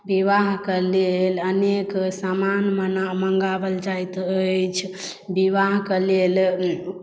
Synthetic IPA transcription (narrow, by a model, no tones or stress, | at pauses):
biʋaɦkəleləneksamanmənaməŋɡabəld͡ʒajt̪əjt͡ʃʰ | biʋaɦkəlel